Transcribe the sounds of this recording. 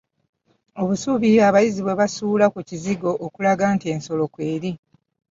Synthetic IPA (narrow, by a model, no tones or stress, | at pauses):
o̞βusuβiaβajiziβwe̞βasuːlakuciziɡo̞ʔːkulaɡaːntie̞ːnso̞lo̞kwe̞ːɾi